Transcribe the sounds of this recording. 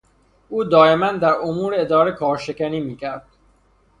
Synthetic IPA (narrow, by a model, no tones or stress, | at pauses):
ʔuːd̪ɒːemænd̪æɾomuːɾeed̪ɒːɾekʰɒːɾʃekʰæniːmiːcʰæɾd̪̥̚